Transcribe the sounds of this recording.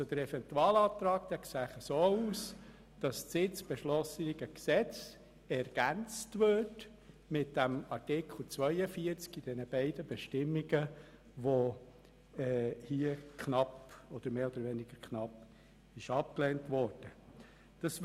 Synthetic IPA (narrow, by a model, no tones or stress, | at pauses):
od̪əɾɛfɛntuɑːlɑːt̪ɾɑːkd̥̪ɛksæχəsoːuːs | d̥ɑstsɪt͡sb̥ɛʃlɔsəɡ̥əksɛt͡s | ɛɾɡ̥ænt͡stʋøt | mɪt̚d̥æmɑrtɪkχl̩ˠt͡sʋœɪəfiəɾt͡skid̥ɛnəb̥æɪdəbɛʃtɪmːiɡə | ʋo | ɛhiəkχnɑpɔd̥̪əɾmeːɔd̪əɾʋɛnɪɡ̥əkʰnɑp | ɪʃɑp̚klɛːntʋɔːɾd̥ə | d̥ɑs